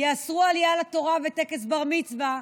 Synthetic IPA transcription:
jeːsʁualijalato̞ʁavetekesbaʁmit͡sva

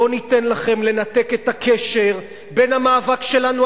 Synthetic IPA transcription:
onit̪e̞nlaχe̞mle̞nat̪eket̪akʰeʃeʁ | be̞nhamaːvakʃe̞lanu

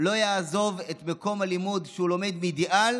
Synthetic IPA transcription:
lo̞jaːzo̞vet̪meko̞malimud̪ʃeulo̞med̪midiʔal

